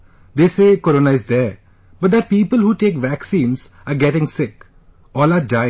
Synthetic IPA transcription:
d̪eːseːkɔɾoːnaɪzd̪ɛ | b̥ɐʈ̚d̪əpiːpəlhuːʈeːkʋæksĩːnz̥ | aɾɡɛʈɪ̃ŋsɪk | ɔːlaɖã

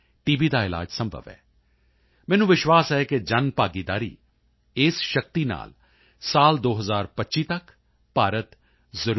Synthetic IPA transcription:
ʈiːbiːd̪aːɪla̰ːd͡ʒsə̃mbʱə̰ʋɛ̰ː | mɛːnũːʋɪʃwaːsɦɛːked͡ʒənpaːɡiːd̪aːɾḭː | ɪsʃək̚t̪iːna̰ːl | saːld̪oːɦəzaːɾpətːʃiːt̪ək | paːɾət̪ | zəɾ

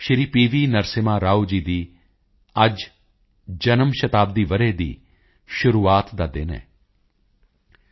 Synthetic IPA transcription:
ʃɾiːpiːʋiːnəɾsɪmãːɾaːuːd͡ʒiːd̪iː | əd͡ʒ | d͡ʒənəmʃət̪aːb̚d̪iːʋəɾeːd̪ḭː | ʃʊɾuːaːt̪d̪aːd̪eːnɛ̰̃ː

